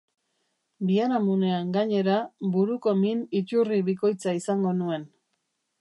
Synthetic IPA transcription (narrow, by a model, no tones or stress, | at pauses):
bianamune̞aŋɡaɲe̞ɾabuɾuko̞minit͡ʃuriβiko̞jt͡saisaŋɡo̞nue̞n